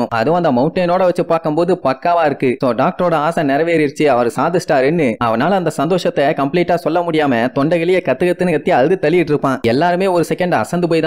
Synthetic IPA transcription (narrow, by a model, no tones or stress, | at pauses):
ʊ̃ɐ̰ðɯʋ̃ɐnd̪ɐmɐʊɳʈːeːnoːɽɐʋɐt͡ʃːɯpːaːɾkɐmpoːðɯpɐkːaːʋãːɪɾɯkːɯsoːɖaːk̚ʈɐɾoːɽɐaːsɐ̃nɛɾɐʋeːɾɪɾt͡ʃːɯɐʋɐɾɯsaːðɯsʈaːɾɛnːɯɐ̰ʋɐnaːlɐɐnd̪ɐsɐnd̪oːʂɐt̪ːɛkɐmpliːʈːaːsɔlːɐmʊɽɪjaːmɐt̪ɔɳɖɐɣɪlɪjɐkɐt̪ːɯɣɐt̪ːɯnɐɐt̪ːɪɐððɯt̪ːɛlɪjɪʈːɪɾɯpːãːɛlːaːɾɯmeːɔɾɯsɛkɐɳɖɐ̰sɐnd̪ɯp̬oːjt̪ã